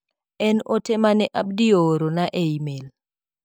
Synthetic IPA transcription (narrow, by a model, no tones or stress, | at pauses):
ɛnotɛmanɛʔab̚dioɾonaʔeimel